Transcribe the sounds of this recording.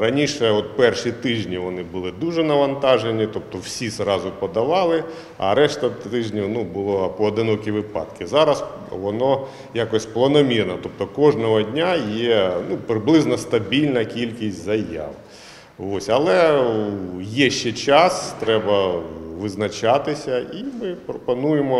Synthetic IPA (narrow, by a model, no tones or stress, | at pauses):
ɾɐnʲiʃɛɔt̪̚pɛrʃit̪ɪʒnʲiʋɔnɪbʊlˠɪd̪uʒɛnɐʋɐnt̪ɑʒenʲit̪ɔp̚t̪ɔwsʲisrɑzʊpɔd̪ɐʋɑlˠɪ | ɐ̰ɾɛʃt̪ɐɪʒnʲinubʊlˠɔpɔːd̪ɪnɔkʲiʋɪpɑ̰d̪kɪzɑɾɐs | ʋɔnɔ | jakɔsʲplˠɐnɔmʲirnɐt̪ɔp̚t̪ɔkɔʒnɔɦɔdʲnʲajɛnupɾɪblˠɪznɐst̪ɐbʲilʲnɐkʲilʲkʲisʲtʲzɐja̰w | ʋosʲɐlˠɛ | jɛʃt͡ʃɛt͡ʃɑst̪ɾɛbɐʋɪznɐt͡ʃɑt̪ɪsʲɐimɪpɾɔpɔnujemɔ